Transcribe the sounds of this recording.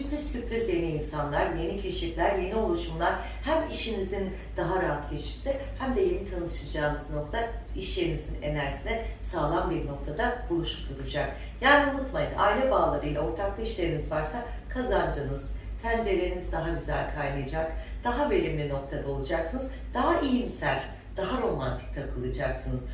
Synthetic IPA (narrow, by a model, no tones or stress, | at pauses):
sypɾisːypɾisje̞niiːnsanlˠaɾje̞nicʰeʃiflʲæɾje̞nio̞lˠuʃumlˠaɾ | hæmiʃinizin | d̪̥aɦaɾaɦat̪ɟe̞t͡ʃʰiɾsɛhæmd̪ɛjenit̪ʰanɯʃɯd͡ʒaːnɯzno̞k̚t̪ʰaiʃlʲe̞ɾinizine̞̰næɾsinɛsaːlˠanbiɾno̞k̚t̪ʰad̪abulˠuʃt̪uɾud͡ʒak̚ | jaːnʲiunut̪majɯnʔa̰jilʲɛbaːlˠaɾɯilʲɛo̞ɾt̪ʰaklˠɯiʃlʲe̞ɾinizvaɾsa | kʰazand͡ʒɯnɯz̥t̪ʰænd͡ʒelʲe̞ɾinizd̪aɦaɟyzæ̰lʲkʰajlˠɯjad͡ʒakd̪̥aɦabe̞lʲimlʲino̞k̚t̪ʰad̪ao̞lˠud͡ʒaksɯnɯz | d̪̥aɦaʔijimsælʲ | d̪̥aɦaɾo̞mant̪ʰi̥c̚ʲt̪ʰakʰɯlˠɯd͡ʒaksɯnɯz̥